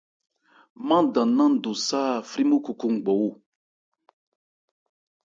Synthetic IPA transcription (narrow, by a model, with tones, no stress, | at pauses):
mã˦dã˨nã˦n̩˨du˨sa˦˨fɾi˦mu˦ku˨ku˦ŋ˨ɡ͡bɔ˨wu˦